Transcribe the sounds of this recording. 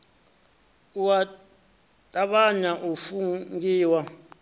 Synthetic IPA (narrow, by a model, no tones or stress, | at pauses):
uwa | tʼaɓaɲaʔufuŋɡiːwa